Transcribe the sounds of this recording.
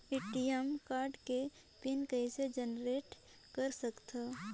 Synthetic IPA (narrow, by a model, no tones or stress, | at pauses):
ɪʈijəmkaːɾɖke | pɪnkəised͡ʒənɾeːʈ | kəɾsəkt̪a